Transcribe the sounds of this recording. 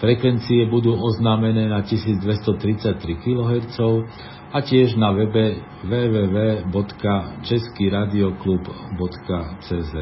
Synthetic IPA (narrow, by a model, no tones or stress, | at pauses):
fɾɛkʋɛnt͡siɛbud̪uːɔznaːmɛnɛːnacisiːd͡zd̪ʋɛst̪ɔt̪ɾit͡sac̚t̪ɾikilɔɦɛɾt͡sɔʊ | acɪɛʒnaʋɛbɛ | ʋɛːʋɛːʋɛːbɔt̪kat͡ʃɛskiːɾaːd̪iɔklubbɔt̪kat͡sɛːzɛt̪